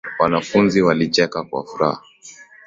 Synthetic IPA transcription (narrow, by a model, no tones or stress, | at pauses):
wanafunziwalit͡ʃɛkakwa̰fuɾa̰ha